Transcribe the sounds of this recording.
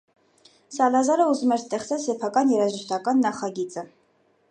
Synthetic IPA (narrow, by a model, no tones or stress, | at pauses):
sɑlɑzɑɾəuzumɛɾst̪ɛχt͡sɛlsɛpʰɑkɑnjɛɾɑʒəʃt̪ɑkɑnːɑχɑɡit͡sʼə